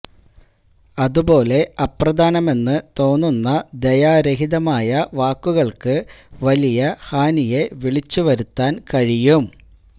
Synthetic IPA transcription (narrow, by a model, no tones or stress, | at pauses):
ɐðubo̞ːle̞ɐprɐd̪ʱaːnɐme̞nːɨt̪o̞ːnːunːɐd̪ejaːɾeɦiðɐmaːjɐʋaːkːuɣɐɭkɨʋɐlijɐhaːnije̞ʋiɭit͡ɕːuʋɐɾut̪ːaːnkɐɻijum